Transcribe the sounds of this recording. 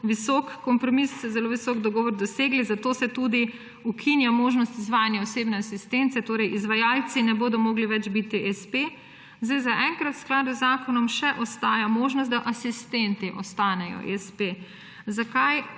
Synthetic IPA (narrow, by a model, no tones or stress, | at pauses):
ʋisɔkkɔmpɾɔmisːɔzɛloʋisɔkd̪ɔɡɔːʋɔɾd̪ɔseɡlizat̪oːsɛt̪ud̪i | ukʰinjamoːʒnɔst̪izʋaːjanjaɔsebnɛasist̪ɛnt̪sɛt̪oːɾɛjʔizʋajaːlt̪sinɛboːd̪ɔmɔːɡliʋɛd͡ʒbit̪iʔɛspe | zd̪ajzaʔɛŋkɾat̪wsklaːd̪uzːaːkɔnɔmʃɛʔɔst̪aːjamoːʒnɔs̬t̪̚d̪aʔasist̪ɛnt̪iʔɔst̪aːnɛjɔ̰ʔɛspe | zakaj